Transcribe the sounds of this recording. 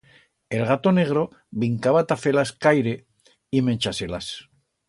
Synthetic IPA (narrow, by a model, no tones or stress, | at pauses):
e̞lɣat̪o̞ne̞ɣ̞ɾo | βiŋkaβat̪afe̞laskajɾe | iment͡ʃaselas